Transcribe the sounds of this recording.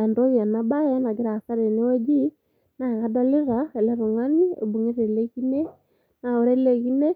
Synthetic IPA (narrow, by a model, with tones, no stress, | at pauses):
ɛ˨ndo˦βja˨na˨˦ba˦jɛ˦na˨ɡe˦ɾa˨ka˦ɾe˨ne˦o˦d͡ʒi˦ | na˨ɣa˦dɔ˦le˦ɾa˨ɛ˨lɛ˦ɾo˨ŋa˦ni˦ḛ˨bu˨ŋe˦ɾe˨lɛ˦ɣi˦ne˦ | na˨o˨˦ɾɛ˦lɛ˨ɣi˦nɛ˦